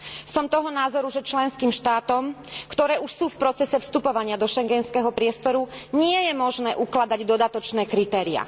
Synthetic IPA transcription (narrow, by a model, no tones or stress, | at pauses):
sɔmt̪ɔɦɔnaːzɔɾuʒɛt͡ʃlɛnskiːmʃt̪aːt̪ɔmkt̪ɔɾɛːʔuʃsuːfpɾɔt͡sɛsɛfst̪upɔʋaɲɪad̪ɔʃɛŋɡɛnskɛɦɔpɾɪɛst̪ɔɾuɲɪɛjɛmɔʒnɛːʔuklad̪aɟd̪ɔd̪at̪ɔt͡ʃnɛːkɾit̪ɛːɾia̰